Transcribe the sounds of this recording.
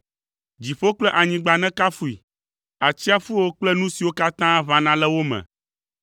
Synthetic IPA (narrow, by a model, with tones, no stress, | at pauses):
d͡ʑi˨ɸo˦k͡plɛ˦ʔa˨ɲĩ˨ɡ͡ba˨nɛ̃˦ka˦fu˨i˨ | a˨t͡ɕi˦a˦fu˦wo˦k͡plɛ˦nũ˦si˨wo˦ka˦t̪ã˦βã˦nã˦lɛ˦wo˦mɛ̰̃˨